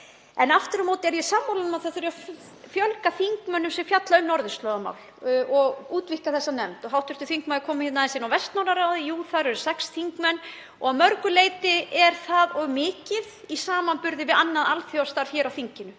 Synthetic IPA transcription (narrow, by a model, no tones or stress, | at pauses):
ɛnaft̪ɪɾamoːwt̪ɛɾjɛsaːmːawlanmaðθaðθʏɾaf | fjœlkaθiŋkmœnːʏmsɛmfjat̪laʏmnɔɾðʏst̪lœːðama̰ːwlɔɣuːt̪vɪhkaθɛsːanɛmt̪ɔɦawht̪ʏɾ̥t̪ʏθiŋkmaɪkʰɔːmɪhɛt̪naðɪnsɪnawvɛst̪nawnaɾaːwðɪjuːθaɾʏɾsɛksθiŋkmɛnː | ɔɣamœɾkʏleːjt̪ɪɛɾ̥θaðɔɣmɪːcɪðisaːmanpʏɾðɪvɪðanːaðalθjɔwst̪aɾ̥çjɛːɾawθiɲcɪnːʏ